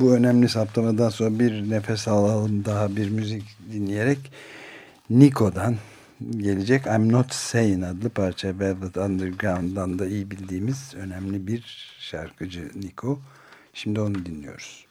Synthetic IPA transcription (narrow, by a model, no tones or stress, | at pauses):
buø̞næmlʲisaplˠamad̪anso̞nɾabiɾnefɛsaːlˠalˠɯmd̪aɦabiɾmyzicd̪inlʲije̞ɾɛc | nikʰo̞d̪an | ɟe̞lʲed͡ʒɛcʰamno̞t̪sejinad̪lˠɯpʰaɾt͡ʃʰavɛvlˠat̪ʰand̪ɯɾɡɾand̪and̪aijibilʲd̪iːmiz̥ø̞næmlʲibiɾʃa̰ɾkʰɯd͡ʒɯnikʰo̞ | ʃimd̪io̞nud̪inlʲijo̞̰ɾuz̥